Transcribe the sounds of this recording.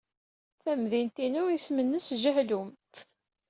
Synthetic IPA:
θæmðint̪inuismənːəsʒəɦlum

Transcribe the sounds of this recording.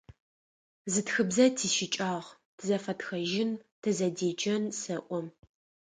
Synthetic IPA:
zɨtxɨbzɐtʰiːʃɪt͡ʃʼaːʁ | tʰɨzɐfɐtxɐʒɪntʰɨzɐdeːd͡ʒʼɐnsɐʔʷɔm

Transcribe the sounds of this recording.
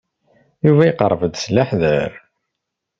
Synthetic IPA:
juvæjqə̰ɾˤːvəd̪slːaħðəɾ

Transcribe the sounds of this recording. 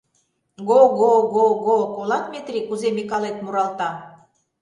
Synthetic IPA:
ɡoɣoɣoɣokolɑt̪mʲet̪rikuzemikɑlet̪muɾɑlt̪ɑ

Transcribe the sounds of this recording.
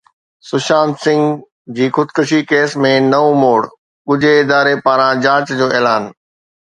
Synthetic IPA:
sʊʃaːnsɪ̃ŋɡ | d͡ʑiːxʊd̪kʊʃikeːsmẽnɐomoːɽ | kʊd͡ʑʱeɪd̪aːɾepaːɾãd͡ʑaːt͡ɕd͡ʑoːeːlaːn

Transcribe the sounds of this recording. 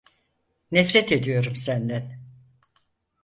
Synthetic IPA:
nɛfɾɛt̪e̞d̪ijo̞ɾumsænd̪æn

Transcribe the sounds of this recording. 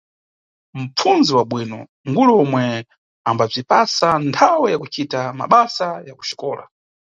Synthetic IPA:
m̩pp͡fʰunziwaɓwiːnɔ̰ | ŋɡuluɔmwɛ | ambab͡ʐipasantʰawɛjakut͡ʃitama̰ɓasajaku̥ʃi̥kɔːla̰

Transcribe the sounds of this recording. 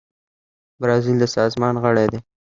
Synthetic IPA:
bɾɑzild̪əsɑzmɑnɣəɽed̪e

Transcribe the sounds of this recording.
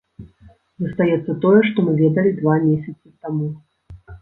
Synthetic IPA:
zɐst̪ajɛt̪sːɐt̪ɔjɛʂt̪ɔmɨvʲɛd̪ɐlʲid̪vamʲesʲɐt̪sɨt̪amu

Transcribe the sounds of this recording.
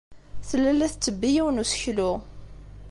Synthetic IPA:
θəlːælːæθt͡sːəbːijiwənusə̥çlʊ

